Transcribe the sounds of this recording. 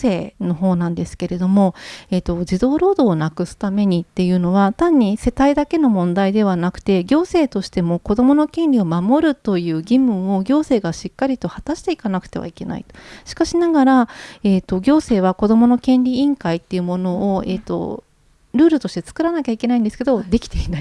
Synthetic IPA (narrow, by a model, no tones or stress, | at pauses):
e̞ːno̞ɦo̞ːnãnd̪e̞sɨ̥ke̞ɾe̞d̪o̞mo̞eːt̪o̞d͡ʑid̪o̞ːɾo̞ːd̪o̞ːnakɯ̟sɨ̥t̪ame̞ɲ̟it̪ːe̞jɯ̟no̞β̞at̪ãɲ̟ːise̞t̪aid̪ake̞no̞mõ̞nd̪aid̪e̞β̞anakɯ̟̥t̪e̞ɡʲo̞ːse̞ːt̪o̞ɕi̥t̪e̞mo̞ko̞d̪o̞mo̞no̞kẽ̞nʲɾʲio̞mamo̞ɾɯ̟t̪o̞jɯ̟ːɡʲimɯ̟̃ɰ̃o̞ɡʲo̞ːse̞ːɡaɕikːaɾʲit̪o̞hat̪aɕi̥t̪e̞ikanakɯ̟̥t̪e̞βa̰ike̞na̰ḭt̪o̥ɕi̥kaɕinaɡaɾaeːt̪ːo̞ɡʲo̞ːse̞ːβako̞d̪o̞mo̞no̞kẽ̞nɾʲiĩŋkait̪ːe̞jɯ̟mo̞no̞oḛːt̪o̞̰ | ɾɯ̟ːɾɯ̟t̪o̞ɕt̪e̞t͡sɨ̥kɯ̟ɾanakʲaike̞naĩnd̪esɨ̥ke̞d̪od̪e̞kʲi̥t̪einai